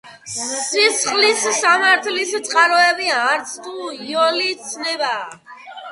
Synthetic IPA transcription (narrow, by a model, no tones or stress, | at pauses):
isʰχlisːamaɾt̪ʰlist̪sʼqʼaɾɔɛbiaːɾt̪sʰt̪ʰuiɔliːt̪sʰnɛbaː